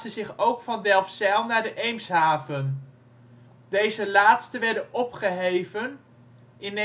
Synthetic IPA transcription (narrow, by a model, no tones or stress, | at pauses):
səzɪχowkfɑndɛlˠfsɛlˠnaːɹdəʔejmsɦaːvən | dejzəlaːtstəʋɛɹdənɔpχəɦejvən | ɪn